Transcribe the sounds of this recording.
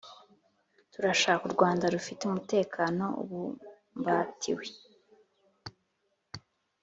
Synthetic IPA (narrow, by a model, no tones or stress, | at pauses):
tuɾaʃaːkuɾɡwaːndaɾufiteumute̞ːkʰaːno̞ṵβu | mbatʰḭwe